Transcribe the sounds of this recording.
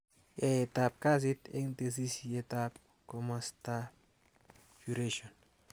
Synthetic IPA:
jajetap̚kas̬itḛŋtes̬isetap | komasta | fuɾeʃon

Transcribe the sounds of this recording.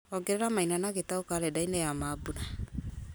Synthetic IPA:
ɔɡɛɾɛɾamainanaɣetaokaɾɛdainɛjamaːbuna

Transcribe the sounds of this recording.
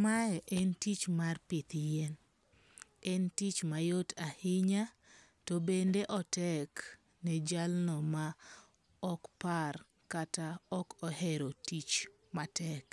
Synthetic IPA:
maɛʔɛntit͡ʃmarpɪt̪jɛn | ɛntit͡ʃmajotahɪɲa | tɔbendeʔɔtɛk | nɛd͡ʒalnɔma | ɔkpar | kataɔkɔɦɛɾotit͡ʃ | matɛk

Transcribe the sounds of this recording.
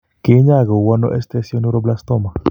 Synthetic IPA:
keɲaɣowano̰ʔest̪esjonuɾoblast̪oma

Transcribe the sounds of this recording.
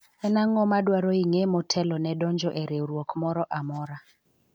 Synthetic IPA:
ɛnaŋɔmadwaɾoiŋemɔtʰɛlɔnɛdɔɲd͡ʒɔʔeɾeɾwɔkmɔɾɔʔamɔɾa

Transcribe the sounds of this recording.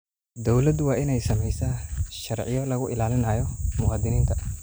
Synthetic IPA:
d̪ɔwlɐd̪wɑːʔɪnɛjsɐmɛjsaʃɐrʕɪjɔlɐɣʊʔɪlaːlɪnaːjɔmʊwɑːd̪ɪniːnt̪ʰɐ

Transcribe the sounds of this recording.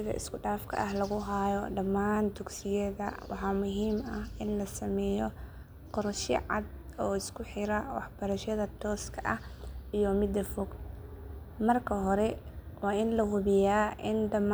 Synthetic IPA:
ɪðɐ̰ʔɪ̰skʰʊɖaːfkʰɐ̰ʔɐɦlɐɣʊɦaːjɔɖɐmːaːnd̪ʊɡsɪjɛðɐ̰wɑ̰ħɑːmʊɦiːmɐhɪnlɐsɐmɛːjɔ | qɔɾʃḭʕɑ̰d̪ | ɔːɪskʰʊħɪɾɐwɑ̰ħb̥ɐɾɐʃɐðɐt̪ʰɔːskʰɐʔɐhʔijɔmɪd̪ɐfɔɡ | mɐrkʰɐɦɔɾɛ | wɑːʔɪnlɐhʊβɪjaːʔɪndɐm

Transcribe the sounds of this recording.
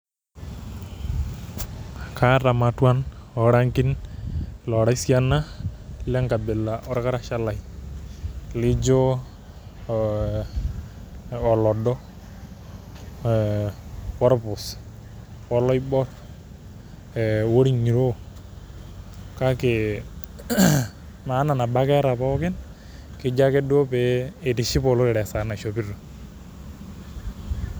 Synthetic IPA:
kʰaɾamatwanɔɽaŋkin | lɔɽajsianalɛŋkabɛlaʔɔɾkaɾaʃalaj | lid͡ʒɔ | ɔlɔdɔ | pɔɾpʊs | ɔlɔjbɔt | woɽiɲiɾo | kake | mananabakɛɾapɔkɛn | kid͡ʒakɛduopeːtiʃipɔlɔɾɛɽɛsanaʃopiɾɔ

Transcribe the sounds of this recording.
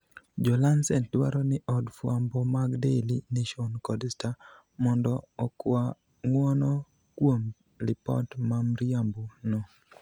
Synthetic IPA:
d͡ʒɔlansɛntwa̰ɾɔnɪʔɔdfwambɔmaɡdeliniʃonkɔdɪsta | mɔndɔːkwa | ŋwɔnɔ | kwom | lɪpɔ̰tmamɾijambono

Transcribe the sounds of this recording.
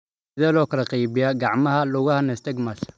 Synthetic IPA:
sɪðɛːlɔːkʰɐlɐqijβɪjaɡɑʕmɐhɐlʊɣɐhɐnɛst̪ɛɡmas

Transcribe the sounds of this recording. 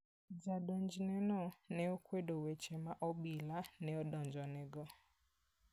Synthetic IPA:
d͡ʒadɔnd͡ʒinenɔneokwedowet͡ʃemaʔɔɓilaneɔdɔnd͡ʒɔneɡɔ

